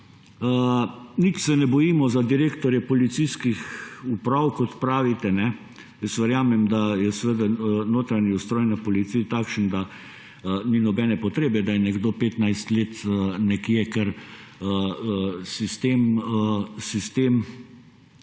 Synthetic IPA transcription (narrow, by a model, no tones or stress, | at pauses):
ənit͡ʃsɛnɛbɔjiːmɔzad̪iɾeːkt̪ɔɾjɛpɔlit̪siskixupɾawkɔt̪pɾaːʋit̪ɛnɛ | jəsʋəɾjaːmɛmd̪ajɛsɛʋəd̪anoːt̪ɾaniust̪ɾoːjnapɔlit̪sijt̪aːkʃənd̪a | ninɔbɛːnɛpɔt̪ɾeːbɛd̪ajɛnɛɡd̪oːpeːt̪najst̪leːt̪nɛkjɛkəɾ | ə | sist̪eːm | sist̪eːm